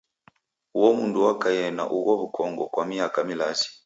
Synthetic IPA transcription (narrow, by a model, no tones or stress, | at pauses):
uwɔmunduwakajɛna̰ʔuɣɔβukʰɔŋɡɔkwamiakamilasi̥